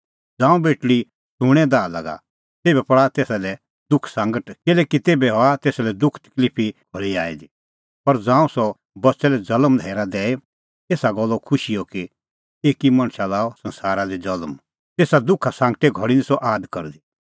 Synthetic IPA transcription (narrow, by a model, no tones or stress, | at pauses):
d͡zãːũbeːʈɽi | suɽ̃ɛ̃d̪aːlɐ̰ɡa̰ | t̪eːbɛpɐɽat̪eːsalɛ | d̪ʊkʰsãːŋɡəʈkɪlɛːkit̪eːbɛɦɔat̪eːsalɛd̪ʊkʰt̪ə̥kliːpʰiɡʱɔɭiaːid̪i | pɐɾd͡zãːũsɔ | bɐtːsɛlɛd͡zɐləmd̪ʱɛːɾad̪ɛːe | t̪eːsaɡɔlːɔkʰʊʃijɔki | eːkimɐ̃ɽ̃ʃalaːɔsɐ̃nsaːɾad̪id͡zɐlm | t̪eːsad̪ʊkʰasãːŋɡʈɛɡʱɔɽinisɔʔaːd̪kɐ̰ɾd̪i